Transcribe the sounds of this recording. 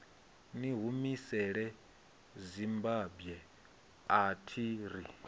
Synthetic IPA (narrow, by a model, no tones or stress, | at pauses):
niɦumisɛɺɛ | zimbabjɛ | atʰiɾi